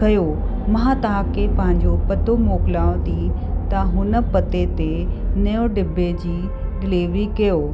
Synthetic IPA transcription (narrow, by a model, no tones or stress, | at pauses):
kɐjo | mɐɦãt̪ɐɦakepɐ̃ɦɪ̃ɲd͡ʑopɐt̪omoːkɪlaːõt̪it̪ɐɦʊnə̆pɐt̪et̪enɐjoɖɪbʱed͡ʑiː | ɡɪleːʋikɐjoː